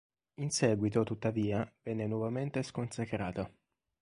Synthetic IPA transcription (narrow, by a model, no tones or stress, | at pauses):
insɛːɡwit̪ot̪ut̪ːaviːavɛnːenwɔvament̪eskonsakɾaːt̪a